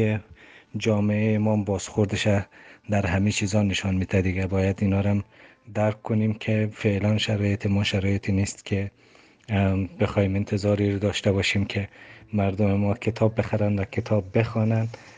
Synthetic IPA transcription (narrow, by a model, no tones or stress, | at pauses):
ed͡ʒɒːmeeemɒmbɒsxoɾd̪ɪʃad̪æɾɦamit͡ʃʰizɒneʃɒnmit̪ʰad̪iɡabɒːjad̪inɒɾam | d̪æɾkʰːʊnimkʰefelanʃaɾɒːjet̪ʰemɔʃaɾɔːjet̪ʰinist̪kʰe | b̥exɔhiment̪ʰɪzɒɾiɾd̪ɒʃt̪abɒʃimkʰemæɾd̪omemɔkʰet̪ʰɒbːexaɾanvakʰet̪ʰɒbːexɒnan